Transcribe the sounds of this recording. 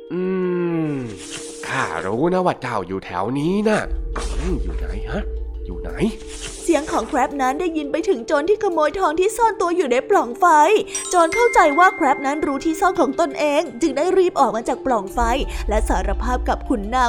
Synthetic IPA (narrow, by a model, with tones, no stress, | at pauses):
ʔɯː˨˩ | kʰa˧˩ɾuː˦˥na˦˥wa˨˧˩t̪̚t͡ɕa˨˩wjuː˨˩t̪ʰɛ̰ː˩˦wniː˦˥na˧˥˩ʔɯ˧˩jṵː˨˩na̰˩˦jha˦˥jṵː˨˩na̰˩˦j | si˨˦əŋkʰɔː˩˦ŋkʰɾɛː˦˥p̚na˦˥ndaː˥˩jːi˧npa˧jt̪ʰɯ˨˩˦ŋt͡ɕoː˧nt̪ʰiː˥˩kʰa˧moː˧jt̪ʰɔː˧ŋt̪ʰiː˥˩sɔː˥˩nt̪u˧ɐjuː˨˩na˦˧˩jplɔ˨˩ŋfa˧jt͡ɕoː˧nkʰa˥˩wt͡ɕa˧jwaː˥˩kʰɾɛ˦˥p̚na˦˥nɾuː˦˥t̪ʰiː˥˩sɔː˥˩nkʰɔː˩˦ŋt̪o˧nʔeː˧ŋt͡ɕɯ˧ŋdaː˥˩jɾiː˥˩p̚ʔɔː˨˩k̚maː˧t͡ɕaː˨˩k̚plɔ˨˩ŋfa˧jlɛ˦˥saː˩˦ɾa˧pʰaː˥˩p̚ka˨˩p̚kʰu˧nːa˥˩